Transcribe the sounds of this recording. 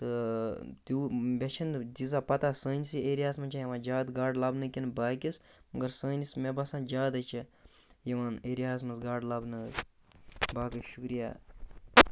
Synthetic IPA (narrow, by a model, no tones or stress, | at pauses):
t̪ɨt̪juːbʲɐt͡ʃʰind͡ʒ̪izapɐt̪asəːnʲsieːɾijaːsmɐnt͡ʃʰajɐʋãːnd͡ʒaːd̪ɡaːɖlɐbnɨkʲinbaːkʲismɐɡɐɾsəːnʲismebɐsãːnd͡ʒaːd̪ɐt͡ʃʰi | jɐʋaneːɾijaːs̬mɐsɡaːɖlɐbnɨ | baːkɨʃukɾija̰ː